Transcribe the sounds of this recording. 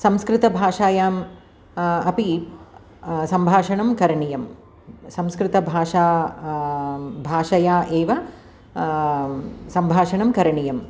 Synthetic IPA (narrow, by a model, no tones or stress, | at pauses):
sɐmskɾɪt̪ɐbʱaːʂaːjaːm | ɐpi | sɐmbʱaːʂɐɳɐmkɐɾɐɳijɐm | sɐmskɾɪt̪ɐbʱaːʂaː | bʱaːʂɐjaːʔeːʋɐ | sɐmbʱaːʂɐɳɐmkɐɾɐɳijɐm